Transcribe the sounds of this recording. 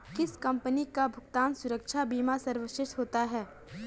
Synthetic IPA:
kɪskɐ̃mpənikabʱʊkt̪aːnsʊɾəkʃʰabiːmasɐɾʋəʃɪʃt̪ɦoːt̪aɦɛː

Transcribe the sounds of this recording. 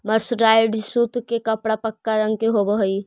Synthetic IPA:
məɾsɾaːɪɖsuːt̪kekɐpɽapəkːaɾə̃ŋɡkeɦobəɦoi

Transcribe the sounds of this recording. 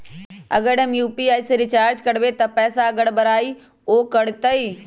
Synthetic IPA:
ɐ̰ɡəɽɐmjuːpiaːisɾɪt͡ʃaːɾd͡ʒkɐɽʋet̪ɐpɛːsaɐɡəɽbɐɾaːi | oːkɐɽt̪əiː

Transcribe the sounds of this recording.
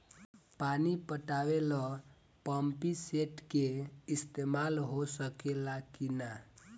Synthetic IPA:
panipəʈawelɔ | pəmpiseʈkeist̪emalɦosəkelakina

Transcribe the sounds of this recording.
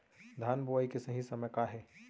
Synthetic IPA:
d̪ʱaːnbuaikesɐɦĩsɐməjkaːɦɛː

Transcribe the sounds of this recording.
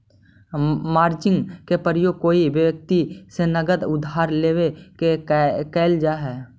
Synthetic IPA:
maːɾd͡ʒɪ̃ŋɡkepəɾjoːɡ̚koːiʋjʋjək̚t̪isenəɡəd̪ʊd̪ʱaːɾleːwekekɛːld͡ʒaːɦɛː

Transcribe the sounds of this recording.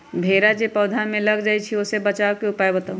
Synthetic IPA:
bʱeːɾad͡ʒepɔːd̪ʱamẽləɡd͡ʒaːit͡ʃʰioːsebət͡ʃaːwkeʊpaːjbət̪aũ

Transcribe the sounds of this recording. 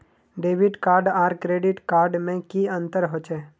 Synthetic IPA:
ɖeːʋɪɖkaːɾɖaːɾkɾeːɖɪʈkaːɾɖmẽkiɐ̃nt̪əɾɦot͡ʃɛː

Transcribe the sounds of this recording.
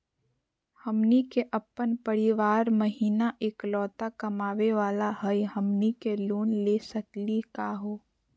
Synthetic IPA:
hɐmnikeʔəpːənpəɾiʋaːɾməɦiːnaʔeːklɔːt̪akɐmaːʋeʋaːlaɦəjɦɐmnikeloːnleːsəklikaːɦoː

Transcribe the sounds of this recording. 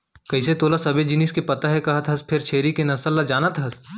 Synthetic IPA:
kɐɦiset̪oːlasɐbed͡ʒɪniːskepɐt̪aɦɛkɐɦət̪ɦɐspʰɪɾt͡ʃʰeːɾikenɐsəlːad͡ʒaːnat̪ɦɐs

